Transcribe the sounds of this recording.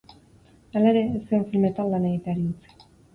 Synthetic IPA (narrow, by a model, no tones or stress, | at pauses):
alaeɾe̞ːsioɱfilme̞t̪alːaneɣit̪eaɾiut͡si̥